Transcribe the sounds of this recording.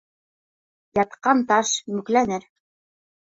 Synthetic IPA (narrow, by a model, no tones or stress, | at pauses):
jɑt̪qɑnt̪ɑʃmʉklænɘɾ